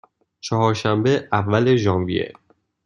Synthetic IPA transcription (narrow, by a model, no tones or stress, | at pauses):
t͡ʃʰɒhɒːɾʃæmbeævːæle̞ʒɒːmvijḛ